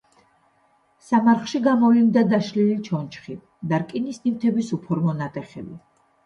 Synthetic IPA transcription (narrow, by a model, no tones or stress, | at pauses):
samaɾχʃiɡamɔvlind̪ad̪aʃlilit͡ʃʰɔnt͡ʃχi | d̪aɾkʼinisnimt̪ʰɛbisupʰɔɾmɔnat̪ʼɛχɛbi